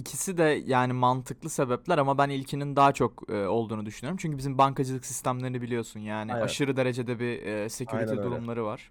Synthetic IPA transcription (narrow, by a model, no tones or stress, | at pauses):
icʰisid̪ɛjaːnimant̪ʰɯklˠɯse̞bɛp̚lʲæɾamabænilʲcʰinind̪aːat͡ʃʰo̞kːo̞lˠd̪uːnud̪yʃynyjoɾumt͡ʃʰyɲcʰybizimbaŋkad͡ʒɯlˠɯksist̪ʰæmlʲe̞ɾinibilʲijo̞sunjaːniʔaʃɯɾɯd̪e̞ɾe̞d͡ʒe̞d̪ɛbiːse̞cʰyɾit̪ʰɛd̪uɾumlˠaɾɯvaɾ̥